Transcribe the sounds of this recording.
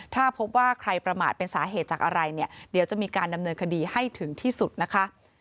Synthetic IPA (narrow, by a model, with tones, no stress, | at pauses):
t̪ʰaː˥˩pʰo˦˥p̚waː˥˩kʰɾa˧jpɾa˧ma̰ː˨˩t̪̚pe˧nsaː˩˦ɦeː˨˩t̪̚t͡ɕaː˨˩k̚ʔa˧ɾa˧jni˥˩ɐdi˨˩˦wt͡ɕa˨˩ʔmiː˧kaː˧nda˧mnɤː˧nkʰa˧diː˧ha˥˩jt̪ʰɯ˩˦ŋt̪ʰiː˥˩su˨˩t̪̚na˦˥kʰa˦˥